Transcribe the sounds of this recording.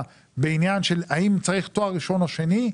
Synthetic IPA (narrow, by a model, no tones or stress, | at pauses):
beinjanʃelaimt͡saʁiχt̪o̞aiʃo̞naʃe̞ni